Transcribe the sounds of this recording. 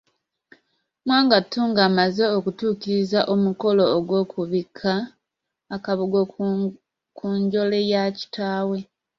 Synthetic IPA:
mwaːŋɡatːuːŋɡamaze̞okutuːkiɾizaʔomuko̞lo̞ːɡwo̞ːkʰuβikʰːaː | kaβoɡ | kuɲɟo̞le̞jaci̥tʰaːwe̞

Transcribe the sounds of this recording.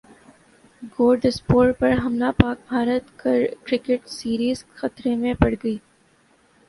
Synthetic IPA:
ɡoːɖəspoːʈpɐɾɦɐmlapaːk̚bʱaːɾət̪kɐɾkɾɪkeʈsiːɾiːzxɐt̪ɾemẽpɐɽɡɐiː

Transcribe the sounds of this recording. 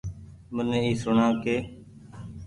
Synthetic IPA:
mənẽːiːsʊɳãːkeː

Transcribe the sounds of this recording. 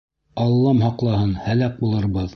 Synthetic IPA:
ɑlˠːɑmhɑqlˠɑhɤnhælæk̚bulˠɤ̆ɾβɤð

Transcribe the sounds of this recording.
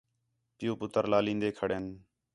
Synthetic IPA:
pɪjuːpʊt̪əɾlaːlĩːnd̪eːkʰəɽeːn

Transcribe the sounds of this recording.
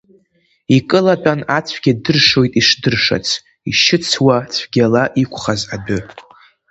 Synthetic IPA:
ikʼɨlat͡pʷʼanat͡sʷʰɡ̥ʲadɨrʂo̞jtʼiʂdɨrʂa̰t͡sʰ | iʃɪt͡sʰwat͡sʷʰɡʲalaʔikʷʰχazabɪ

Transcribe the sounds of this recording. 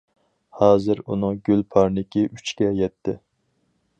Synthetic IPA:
hɑːzɨɾṵnɨŋɡʲylpʰɑɾnɪkʲiʔyt͡ʃkʲɛjɛt̪ʰːɪ

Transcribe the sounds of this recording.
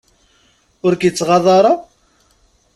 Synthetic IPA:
ʊɾkjət͡sːʁɑðˤɑɾˤɑ

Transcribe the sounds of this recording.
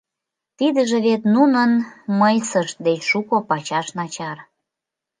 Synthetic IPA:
t̪id̪əʒeβet̪nunənməjsəʃt̪̚d̪et͡ɕʃukopɑt͡ɕɑʃnɑt͡ɕɑr

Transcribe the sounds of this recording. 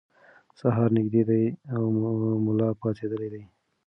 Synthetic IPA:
saɦɑɾnɪɡd̪ed̪ajawmʊlɑpɑt͡ʃed̪əlejd̪aj

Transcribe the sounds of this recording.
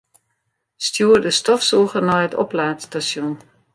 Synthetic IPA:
stjuərdəstɔfsuːɣərnɔjətɔ̰plaːtstasjun

